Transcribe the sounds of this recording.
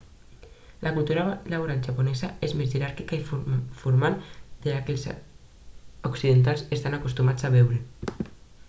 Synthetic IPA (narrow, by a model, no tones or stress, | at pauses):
lʔakult̪uɾalaβuɾalʒaponɛzaezmezʝeɾaɾkikaiffuɾmald̪̥elakels | oksiðent̪̬alsest̪anakost̪umat͡sd͡zaβɛwɾe